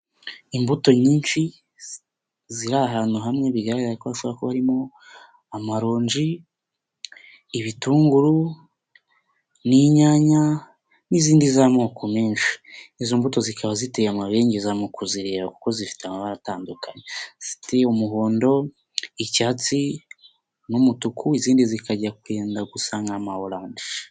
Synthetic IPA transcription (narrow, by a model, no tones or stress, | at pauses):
imbuto̞ɲiːnʃi | ziɾaɦaːnhuɦamŋeβiɡaɾaɡaaikoβaʃoβakoβaɾimo̞ | amaɾo̞ːɲd͡ʒi | βituːŋɡuɾu | niɲaːɲa | niziːndizamokomeːnʃi̥nizoːmbuto̞zikaβazitejamaβe̞ːɲɟezamokoziɾe̞ːβaku̥ko̞zifi̥teamaβaɾataːndukaɲefi̥teumuɦoːndo̞ | icaːt͡si | numutukʰuiziːndizikaɟakwe̞ːndaɡusaŋɡamaoɾaːndiʃḁ